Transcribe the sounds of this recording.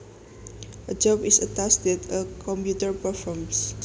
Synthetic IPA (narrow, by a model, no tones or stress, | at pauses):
ʔəd͡ʒɔbisətastɛtəkʰɔ̃mpjutəɹpəfɔms